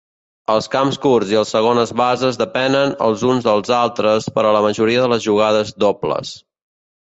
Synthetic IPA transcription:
əlˠskamskurziəlˠsəɣonəzβazəzðəpɛnənə̰lˠzunzðəlˠzalˠt̪ɾəspəɾɔləməʒuɾiəðələzʒuɣ̞aðəzd̪oplə̰s

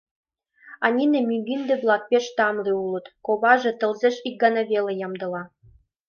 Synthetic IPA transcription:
ɑnʲinemyɡʲind̪ĕblˠɑk̚pʲeʃt̪ɑmliulɤ̆t̪koβɑʒĕt̪ɤ̆lzeʃik̚ɡɑnɑβʲelĕjɑmd̪ɤ̆lɑ

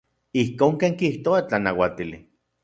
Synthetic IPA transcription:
ihkoːŋkeːŋkiht̪oat͡ɬanawat̪ili

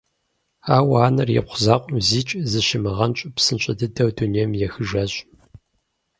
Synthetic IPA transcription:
aːwaːnɐrjɛ̰qʷʊzaːqʷʼʊmziːt͡ʃʼzɨʃɪmɨʁɐnt͡ʃʼɐpsɨnt͡ʃʼɐdɨdɐwdunijɛmjɛxɨʒɐɕʼ

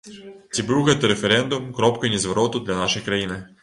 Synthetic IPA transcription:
t͡sʲibɨwɣɛt̪ɐɾefɛɾɛnd̪ʊmkɾɔpkɐjnʲizʋɐɾɔt̪ʊd̪lʲɐnaʃɨjkɾɐjinɪ

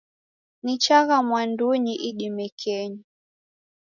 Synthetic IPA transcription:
nit͡ʃaɣamwanduɲiʔiɗimɛkʰɛɲi

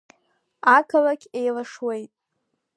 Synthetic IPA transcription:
akʰalakʲejlaʂwe̞jtʼ

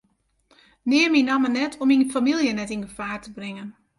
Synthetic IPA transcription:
nɪəminamənɛtʰɔminfamilˠjənɛtinɡəfaːrtəbrɪŋən

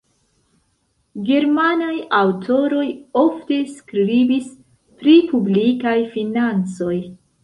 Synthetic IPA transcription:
ɡe̞ɾmanajawtʰo̞ɾo̞jo̞fte̞skɾɾibis | pɾipublikajfinant͡so̞j

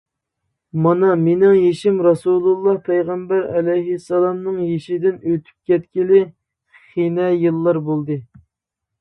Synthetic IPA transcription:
mɑnɑmenɪŋjeʃimɾɑsulˠulˠːɑhpʰɛjʁɛmbæɾɛlɛjɦɪsːɑlˠɑmnɨŋjeʃid̪ɪnøt̪ʰy̥p̚kʲʰɛt̪kʲilɪ | χinɛjɨlˠːɑɾbolˠd̪ɨ

